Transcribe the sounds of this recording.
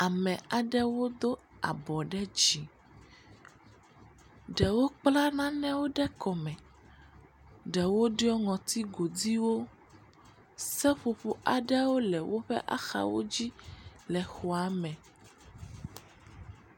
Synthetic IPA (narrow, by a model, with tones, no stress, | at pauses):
a˨mɛ̃˨a˨ɖɛ˦wo˦d̪o˦ | a̰˨bɔ˨ɖɛ˦d͡ʑi˨ | ɖɛ˨wo˦k͡pla˦nã˦nɛ̃˦wo˦ɖɛ˦kɔ˨mɛ̃˨ | ɖɛ˨wo˦ɖe˦ɔ˦ŋɔ̃˨t̪i˦ɡo˨d̪i˦wo˦ | sɛ˦ɸo˨ɸo˨ʔa̰˨ɖɛ˦wo˦lɛ˨wo˦ɸɛ̰˦ʔa̰˦xa̰˨wo̰˦d͡ʑi˦lɛ˨xɔ˨a˨mɛ̃˨